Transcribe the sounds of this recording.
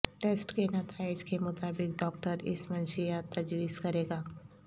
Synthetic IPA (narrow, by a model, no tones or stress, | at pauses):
ʈeːsʈkenɐt̪ʰaːɪd͡ʒkemʊt̪aːbɪk̚ɖɔːkʈəɾɪ̰smɐ̃nʃijat̪ːɐd͡ʒʋiːzkɐɾeːɡaː